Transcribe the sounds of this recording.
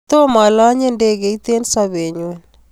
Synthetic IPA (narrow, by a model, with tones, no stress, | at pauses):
t̪o˦ma˨la˦ɲe˦nde˦˨ɣe˨i˦t̪e˦nsa˦βe˨ɲwe˦n